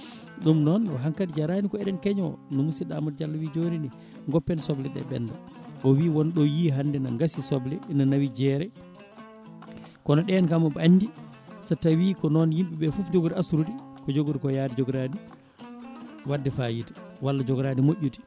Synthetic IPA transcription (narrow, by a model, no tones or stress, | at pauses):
ɗumnɔnɔ̰ɦaŋkadid͡ʒaɾanikɔɛɗɛnkɛɲɔnɔmusiɗa̰mɔtd͡ʒalːawid͡ʒonini | ŋɡɔpːɛnsɔblɛɗɛ̰ɓɛ̰nda | ʔɔwiwɔnɗɔjiɦandɛnaŋɡasisɔblɛinanawid͡ʒɛɾɛ | kɔnɔɗɛnkamɔbandi | satːawikɔnɔnjimɓiɓɛfufd͡ʒoɡuɾiasuɾuɗikɔd͡ʒoɡuɾikɔjaːdid͡ʒɔɡɾani | wadːɛfajiti̥walːad͡ʒɔɡɾanimoʔʲːuti̥